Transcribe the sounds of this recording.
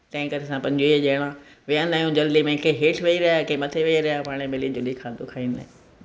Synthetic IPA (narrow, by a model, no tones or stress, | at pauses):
t̪ɐ̃ɦɪ̃kɐɾesãpɐ̃ɲd͡ʑoeʄeɽ̃ã | ʋijə̃nd̪aːijũd͡ʑɐld̪imẽkeɦeːʈʰʋɐiɾɐjakẽːmɐt̪ʰeʋiaɾɐjapaːɽ̃emelid͡ʑʊlikʰãːnd̪okʰaːiːnɪd̪a̰ɦẽ